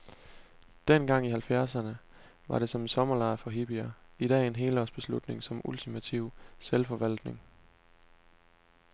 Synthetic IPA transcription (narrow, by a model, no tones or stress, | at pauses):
d̥en̰ɡ̥ɑ̈ŋ̰ihælfjæɐsɐnə | ʋɑ̈ɾe̝sɒ̽mnsɒ̽mɐlɑ̈ɪfɒ̽ɦib̥iæiɾ̥ɛ̰ːenɦe̝ːlɒsb̥e̝slud̥ne̝ŋsɒ̽mult͡sʰimæt͡sʰiʊ̰selfɒ̽ʋæl̰d̥ne̝ŋ